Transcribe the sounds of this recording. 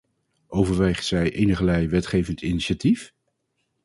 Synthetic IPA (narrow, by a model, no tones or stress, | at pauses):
ʔowvəɹʋejχtsɛjʔejnəχəlɛjʋɛtχejvəntiniʃatif